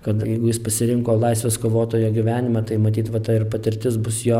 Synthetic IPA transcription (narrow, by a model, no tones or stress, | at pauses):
kɐt̪jɛɪɡʊjɪspɐsʲɪɾʲɪŋkoːlˠɐɪsʲʋʲeːskoːʋoːt̪oːjoːɡʲɪʋʲæːnʲɪmɐt̪ɐɪmɐt̪ʲiːt̪ʋɐt̪ɐɪrpɐt̪ʲɪɾʲt̪ʲɪsbʊsjoː